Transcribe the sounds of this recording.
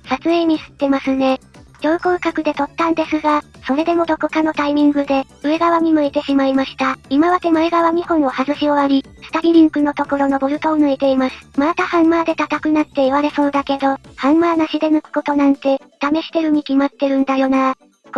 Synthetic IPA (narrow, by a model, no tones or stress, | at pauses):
sat͡sɨe̞ːɲ̟isɨ̥t̪ːe̞masɨne̞d͡ʑo̞ːkoːkakɯ̟d̪e̞t̪o̞t̪ːãnd̪e̞sɨɡaso̞ɾe̞d̪e̞mo̞d̪o̞ko̞kano̞t̪aimʲĩŋɡɯ̟d̪e̞ | ɯ̟eɡaβaɲ̟imɯ̟et̪e̞ɕimaimaɕi̥t̪aimaβat̪e̞mɯeɡaβaɲ̟ihõ̞ɰ̃o̞hazɨɕio̞βaɾʲisɨ̥t̪aɾʲiɾʲĩŋkɯ̟no̞t̪o̞ko̞ɾo̞no̞boɾɯ̟t̪o̞onɯ̟et̪e̞imasɨ̥mat̪ahãmmaːd̪e̞t̪at̪akɯ̟nat̪ːe̞iβaɾe̞so̞ːd̪ake̞d̪o̞hãmmaːnaɕid̪e̞nɯkɯ̟̥ko̞t̪o̞nãnt̪e̞ | t̪ame̞ɕi̥t̪e̞ɾɯ̟ɲ̟ikʲimat̪ːe̞ɾɯ̟̃nd̪ajo̞na | k